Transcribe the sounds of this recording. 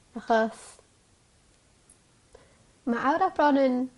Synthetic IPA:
aχɔs | maʔawɾab̥rɔnɨn

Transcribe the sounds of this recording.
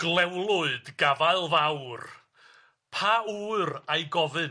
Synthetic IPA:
ɡ̥lˠɛwlˠʊɨdɡavaɨlˠvawr | pʰaurajɡɔvɨ

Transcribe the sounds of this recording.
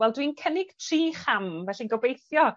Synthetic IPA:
wɛlˠdwinkʰənɪɡ̥tʰriːχamvɛɬinɡɔbejθjɔ

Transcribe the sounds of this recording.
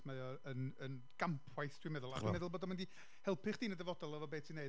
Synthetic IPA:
meɨɔənən | ɡ̥ampʰwajθd̥wimɛðʊlˠa̰̥mɛðʊlˠboːdɔnmɪndi | hɛlˠpʰɨχd̥iːnədɛvɔdɔlˠəvɔbeːtʰineɨ

